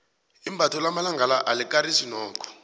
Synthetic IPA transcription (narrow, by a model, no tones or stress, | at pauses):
imbʱatɔlamalaŋɡʱalaʔalikaɾisinɔːkʰɔ̥